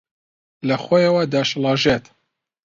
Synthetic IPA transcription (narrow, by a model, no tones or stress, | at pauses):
lɐxoːjɐwɐd̪aʃlˠɑːʒet̪